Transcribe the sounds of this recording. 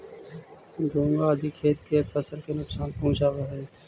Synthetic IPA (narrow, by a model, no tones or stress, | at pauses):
d̪ʱũːŋɡaːd̪iːkʰeːt̪̚keːpəsəɾkeːnʊksaːnpɦũːt͡ʃaːʋaːɦeː